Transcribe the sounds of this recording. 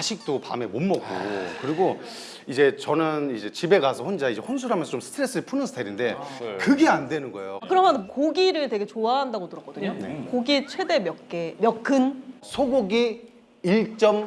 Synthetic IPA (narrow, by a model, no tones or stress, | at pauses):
aɕʰik̚t͈opa̰me̞monmʌk͈̚o̰kɯɾiɡo | id͡ʑe̞t͡ɕʌnɯnid͡ʑe̞t͡ɕibe̞ɡasʰʌhond͡ʑaid͡ʑe̞hons̬ʰuɾɦamjʌnsʰʌt͡ɕomsʰɯ̥tʰɯɾe̞s͈ɯɯɭpʰunɯnsʰɯ̥tʰaiɾinde̞kɯɡe̞andwe̞nɯnɡʌejoakɯɾʌmjʌnkoɡiɾɯɭtwe̞ɡe̞t͡ɕoaɦandaɡotɯɾʌk͈ʌdɯɲokoɡit͡ɕʰwe̞de̞mjʌkk͈emjʌk͈ʰːɯnsʰoɡoɡiː | ɭt͡ɕ͈ʌm